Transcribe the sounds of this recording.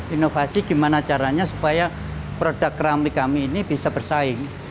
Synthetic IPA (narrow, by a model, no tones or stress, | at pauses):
inofasiɡ̥i̤manat͡ʃaɾaɲasupaja | pɾod̥a̤kkɾamikamiːnib̥isab̥ərsaɪŋ